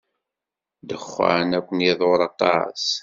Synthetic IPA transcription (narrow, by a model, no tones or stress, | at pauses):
d̪əχːa̰nækʷːənjɪðˤoɾˤɑt̪ˤɑ̰s